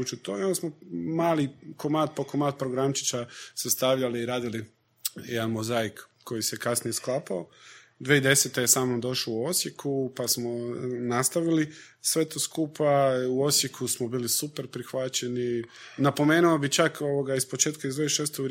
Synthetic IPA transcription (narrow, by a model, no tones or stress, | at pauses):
ut͡ʃut̪oeonosmomaːlikomaːd̪̚pokomaːt̪̚pɾoɡɾamt͡ʃi̥t͡ʃasest̪aʋʎaliːɾaːd̪ili | jed̪anmozaik | kʰːo̞jisekasnije̞sklapao | d̪ʋeid̪e̞set̪eje̞saːmnomd̪o̞ʃlouo̞sʲjekʰupasmo̞nast̪aʋili | sʋe̞t̪o̞skuːpʰauo̞sjekʰusmobiːlisupeɾpɾixʋat͡ʃeninapo̞me̞ːnuobit͡ʃakoʋoɡaispo̞t͡ʃeːt̪kaizd̪ʋeiʃeːst̪oɡ